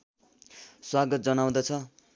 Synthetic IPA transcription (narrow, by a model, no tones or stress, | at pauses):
swaɡʌt̪̚d͡zʌnaw̃d̪ʌt͡sʰʌ